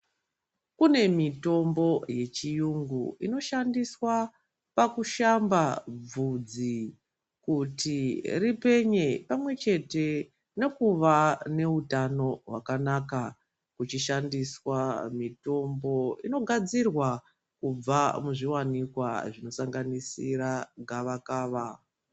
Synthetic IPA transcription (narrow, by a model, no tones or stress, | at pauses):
kune̞mito̞mbo̞je̞t͡ʃijuŋɡṵino̞ʃandiswa | pakuʃambab͡vud͡zi | kutiripe̞ɲe̞pamwe̞t͡ʃe̞te̞ | ne̞kuʋane̞utano̞ɦwakanaka | kut͡ʃiʃandiswamito̞mbo̞ino̞ɡʱad͡zirwa | kub͡vamuʐiwanikwa̰ʐino̞saŋɡanisiraɡʱaʋakaːʋa